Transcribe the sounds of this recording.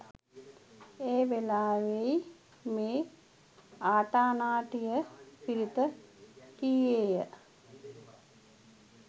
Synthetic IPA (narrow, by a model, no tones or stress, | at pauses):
eːʋelaːʋeji | meː | aːʈaːnaːʈijəpiɾit̪əkijeːjə